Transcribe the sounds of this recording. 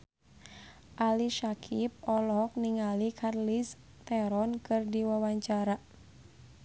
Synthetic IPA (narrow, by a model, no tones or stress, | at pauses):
ʔaliʃakʰip̚ɔlɔɦɔk̚niŋalikʰarlis | t̪ɛɾɔnkɨrdiwawaɲt͡ʃaɾa